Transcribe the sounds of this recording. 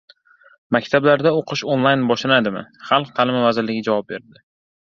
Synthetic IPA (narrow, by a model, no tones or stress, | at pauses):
makʲt̪ʰablaɾd̪aoqʰɨʃonlˠajnbɒʃlanad̪ɪmɪ̰χalˠq̚t̪ʰalɪmavazɪɾlɪɡʲɪd͡ʒavɒp̚be̞ɾd̪ɪ